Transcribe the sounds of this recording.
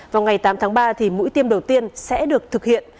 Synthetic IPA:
vaː˨˩wŋa˨˩jt̪aː˨˦mt̪ʰaː˨˦ŋɓaː˧t̪ʰi˨˩mṵ˧˥jt̪i˧əmɗə˨˩wt̪i˧ənsɛ̰˧˥ɗɨ˨˩ək̚t̪ʰɨ˨˩k̚hḭ˧˨ən

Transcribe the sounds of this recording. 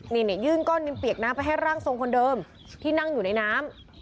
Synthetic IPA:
ni˧˩ni˥˩jɯː˥˩nkɔː˥˩nːi˧npi˨˩ək̚naː˦˥mpa˧jɦa˥˩jɾaː˥˩ŋso˧ŋkʰo˧ndɤː˧m | t̪ʰiː˥˩na˥˩ŋjuː˨˩na˧jnaː˦˥m

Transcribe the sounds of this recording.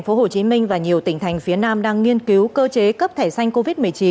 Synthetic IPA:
jŋ̟fo˨˦ho˨˩t͡ɕi˨˦mï˧ŋ̟vaː˨˩ɲi˨˩əwt̪ï˧˩ŋ̟t̪ʰa˨˩jŋ̟fi˨˦ənaː˧mɗaː˧ŋːi˧ənki˨˦wkəː˧t͡ɕe˨˦kə˦˥p̚t̪ʰe˧˩sa˧jŋ̟ko˧vi˦˥t̚mɨ˨˩əjt͡ɕi˨˦n

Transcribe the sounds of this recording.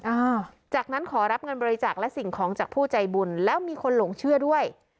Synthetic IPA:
ʔaː˧˩t͡ɕaː˨˩k̚na˦˥nkʰɔː˩˦ɾa˦˥p̚ŋɤ˧nbɔː˧ɾi˧˥t͡ɕaː˨˩k̚lɛ˦˥ʔsi˨˩ŋkʰɔː˩˦ŋt͡ɕaː˨˩k̚pʰuː˥˩t͡ɕa˧jbu˧nlɛː˦˥wmiː˧kʰo˧nloː˨˩˦ŋt͡ɕʰɯ˥˩ɐdu˥˩əj

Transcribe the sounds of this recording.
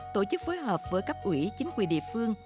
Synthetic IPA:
t̪o˧˩t͡ɕɨ˦˥k̚foː˨˦jɦəː˨˩p̚vəː˨˦jkaː˦˥k̚ʔwḭ˧˩t͡ɕï˨˦ŋ̟kwi˨˩nɗḭ˧˨əfɨ˧əŋ

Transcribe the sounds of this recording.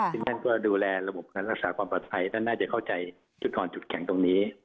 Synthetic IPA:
ɯ˥˧ŋt̪ʰa˥˩nkɔː˥˩duː˧lɛː˧ɾa˧bo˨˩p̚kaː˧nɾa˦˥k̚saː˩˦kwaː˧mpaː˨˧˩t̪pʰa˧jt̪ʰa˥˩naː˥˩t͡ɕa˨˩kʰa˥˩wt͡ɕa˧j | t͡ɕʰu˦˥t̪̚kɔː˧nt͡ɕu˨˩t̪̚kʰɛ˩˦ŋt̪o˧ŋniː˦˥

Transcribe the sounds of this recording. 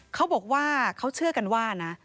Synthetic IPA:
kʰa˦˥wbɔː˨˩k̚waː˥˩kʰa˦˥wt͡ɕʰɯ˥˩ɐka˧nwaː˥˩na˦˥

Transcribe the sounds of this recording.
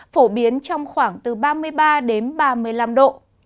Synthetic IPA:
fo˧˩ɓi˨˦ənt͡ɕɔ˧wŋ͡mxwaː˧˩ŋt̪ɨ˨˩ɓaː˧mɨ˧əjɓaː˧ɗe˨˦nɓaː˧mɨ˨˩əjla˧mɗo̰˧˨

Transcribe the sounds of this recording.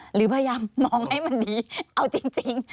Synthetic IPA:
ɾɯː˩˦pʰaː˧jaː˧mːɔː˧ŋha˥˩jma˧ndiː˧˩ʔa˧wt͡ɕi˧ŋt͡ɕi˧ŋ

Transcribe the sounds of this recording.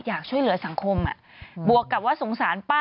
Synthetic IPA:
jaː˨˩k̚t͡ɕʰu˥˩əjlɯ˨˩˦ɐsa˨˩˦ŋkʰo˧mʔa̰˨˩ | bu˨˩əkːa˨˩p̚waː˦˥so˩˦ŋsaː˩˦npaː˥

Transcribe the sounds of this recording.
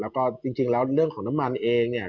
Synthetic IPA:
lɛː˦˥wkɔː˥˩t͡ɕi˧ŋt͡ɕi˧ŋlɛː˦˥wɾɯ˥˩əŋkʰɔː˩˦ŋna˦˥mːa˧nʔeː˧ŋni˥˩ə

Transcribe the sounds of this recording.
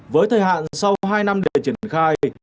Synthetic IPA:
vəː˨˦jt̪ʰəː˨˩jɦa̰ː˧˨nsa˧wɦaː˧jna˧mɗḛ˧˨t͡ɕi˧˩ənxaː˧j

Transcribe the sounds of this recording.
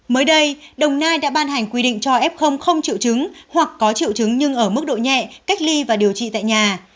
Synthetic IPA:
məː˨˦jɗə˧jɗə˨˩wŋ͡mnaː˧jɗa̰ː˧˥ɓaː˧nɦa˨˩ŋ̟kwi˧ɗḭ˧˨ŋ̟t͡ɕɔ˧ʔɛ˦˥p̚xə˧wŋ͡mxə˧wŋ͡mt͡ɕḭ˧˨əwt͡ɕɨ˨˦ŋhwa˨˩kːɔ˨˦t͡ɕḭ˧˨əwt͡ɕɨ˨˦ŋɲɨ˧ŋʔəː˧˩mɨ˦˥k̚ɗo̰˧˨ɲɛ̰˧˨ka˦˥jk̟̚li˧vaː˨˩ɗi˨˩əwt͡ɕḭ˧˨t̪a̰ː˧˨jɲaː˨˩

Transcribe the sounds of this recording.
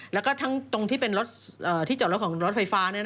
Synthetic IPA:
lɛ˦˥wkɔ˥˩t̪ʰa˦˥ŋt̪o˧ŋt̪ʰiː˥˩pe˧nɾo˦˥t̪̚ʔɤː˨˩t̪ʰiː˥˩t͡ɕ̚ɾkʰːŋɾo˦˥t̪̚fʰa˧jfaː˦˥nɯ˥˩ɐ

